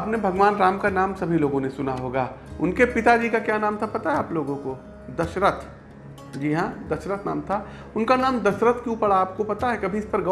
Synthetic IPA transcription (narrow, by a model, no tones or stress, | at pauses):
aːpnebʱɐɡʋaːnɾaːmkanaːmsɐbʱiloːɡõnesʊnaɦoːɡaː | ʊ̰nkepɪt̪ad͡ʒiːkakjaːnaːmt̪ʰapɐt̪aɦɛaːploːɡõko | d̪ɐʃɾət̪ʰ | d͡ʒiːɦãd̪ɐʃɾət̪ʰna̰ːmt̪ʰa | ʊnkanaːmd̪ɐʃɾət̪kjũpɐɽaːp̚kopɐt̪aɦɛkɐbʱiɪspɐɾɡɐ